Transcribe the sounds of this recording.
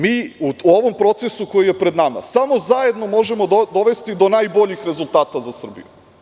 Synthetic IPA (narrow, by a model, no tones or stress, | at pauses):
miːuuoʋo̞mpɾo̞t̪sesuko̞jije̞pɾe̞d̪nama̰samo̞zaje̞d̪no̞mo̞ʒe̞mo̞d̪o̞ʋe̞st̪id̪o̞najbo̞ʎixɾe̞zulˠt̪aːt̪azasr̩bḭju